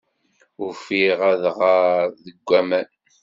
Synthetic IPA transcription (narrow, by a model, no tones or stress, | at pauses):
ʊɾfiʁæðʁaɾðəɡʷːæmæn